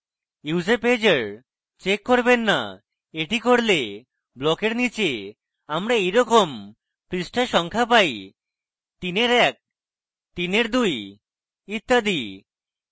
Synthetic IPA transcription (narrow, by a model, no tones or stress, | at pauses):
uzeped͡ʑeɾ | t͡ʃekːoɾbenːa̰ | eʈikoɽle | blɔkeɾnit͡ɕe | amɾaejɾɔkom | pɾisʈʰaʃɔŋkʰapaj | t̪ineɾɛk̚ | t̪ineɾd̪uj | it̪ːad̪i